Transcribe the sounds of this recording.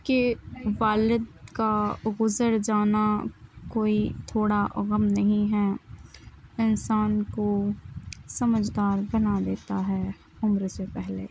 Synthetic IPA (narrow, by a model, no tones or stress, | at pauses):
keʋaːlɪd̪kaɣʊzəɾd͡ʒaːnakoːit̪ʰoːɽaʔɣəmnɐɦĩɦɛ | ɪnsaːnko | sɐməd͡ʒd̪aːɾbɐnad̪eːt̪aɦɛː | ʊmɾsepɛɦlḛː